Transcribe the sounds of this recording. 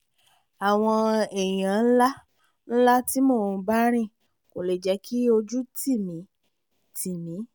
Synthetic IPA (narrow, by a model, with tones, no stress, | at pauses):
a˨w̃ɔ̃˧e˨j̃ã˨˦n̩˦la˦ | n̩˦la˦ti˦moː˦˨ũ˧ba˦ɾ̃ĩ˦˨ | ko˨le˨d͡ʒɛ˨˦kʰi˦o˧d͡ʒu˦ti˦˨mĩ˨˦ | tʰi˨mĩ˨˦